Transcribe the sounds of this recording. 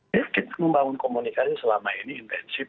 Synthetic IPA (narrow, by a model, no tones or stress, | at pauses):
ɛkit̪ḁməmbaŋʊnkomunikasisəlamainiːnt̪ɛnsi